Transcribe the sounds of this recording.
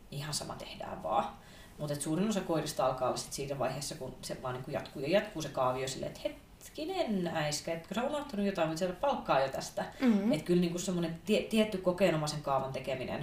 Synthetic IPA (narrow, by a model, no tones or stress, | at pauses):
ihɑnsɑ̰mɑ̰t̪ḛhdæ̰ːʋʋɑ̰ː | mut̪et̪suːrinosɑkoirist̪ɑlkɑːʋisi̥t̪siːnæʋɑ̰iheːsːɑkunseʋɑːniːŋkujɑ̰t̪kuːjojɑt̪kuːsekɑːʋiosilːḛḛt̪het̪ | kinenæiskæet̪ːkøseomɑht̪ɑnujot̪ɑimit̪selæppɑlkːɑːjot̪æst̪æet̪kylniːŋkussemːonent̪iet̪iet̪ːykokeːnomɑseŋkɑːʋɑnt̪ekeminḛn